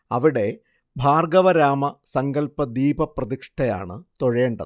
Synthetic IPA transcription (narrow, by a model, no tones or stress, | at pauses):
ɐʋiɽe̞ | bʱaːrɡɐʋɐɾaːmɐsɐŋɡɐlpɐd̪iːbʱɐprɐðikʂʈɐja̰ːɳɨt̪o̞ɻe̞ːɳɖɐ̰ðɨ